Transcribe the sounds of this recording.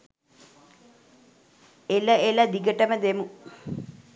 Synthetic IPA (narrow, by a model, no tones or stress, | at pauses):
eləelɐd̪iɡəʈəməd̪emu